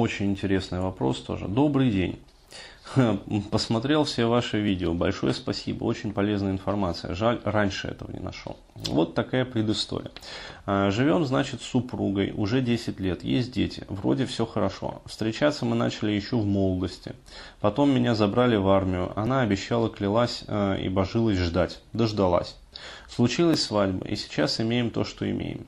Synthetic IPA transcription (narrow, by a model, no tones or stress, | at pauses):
o̞t͡ɕɪnʲɪnʲtʲɪɾʲe̞snɨjvɐpɾo̞̰st̪o̞̰ʐɨ̰d̪o̞bɾɨjdʲḛnʲ | pəsmɐt̪ɾʲe̞lˠfsʲevaʂɨvʲidʲɪobɐ̰lʲʂo̞̰jəspɐsʲḭbə̰o̞t͡ɕɪnʲpɐlʲe̞znəjɪnfɐrmat̪sɨjə̰ʐalʲranʲʂɨɛ̰t̪əvə̰nʲɪ̰nɐ̰ʂlˠo̰ | vo̞t̪ːɐkajəpɾʲɪd̪ɨst̪o̰ɾʲɪ̰jə | ʐɨvʲo̞mznat͡ɕɪt̪sːʊpɾuɡəjʊ̰ʐɛdʲesʲɪtʲlʲe̞t̪jḛsʲt̚ʲdʲetʲɪ̰vɾo̞̰dʲɪfsʲo̞xəɾɐʂo̞̰fst̪ɾʲɪt͡ɕat̪sːəmɨna̰t͡ɕɪlʲɪjɪɕːo̞vmo̞lˠd̪əsʲtʲɪ̰ | pɐt̪o̞mːʲɪnʲazɐbɾalʲɪvarmʲɪjʊ̰ʔɐ̰naɐbʲɪɕːalˠəklʲɪlˠasʲḭbɐʐɨlˠəsʲʐd̪atʲd̪əʐd̪ɐlˠa̰sʲ | slˠʊt͡ɕilˠəsʲsvadʲbə̰ʔḭsʲɪ̥t͡ɕasɪmʲejɪmt̪o̞ʂt̪o̞ɪ̰mʲḛjɪ̰m